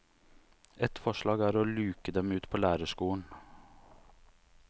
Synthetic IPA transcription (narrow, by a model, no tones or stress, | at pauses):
ɛt̪fɔʂɭɑːɡæːɾoːlʉːkəd̪ɛmʉːt̪pʰoːlæːɾəʂkuːɳ̩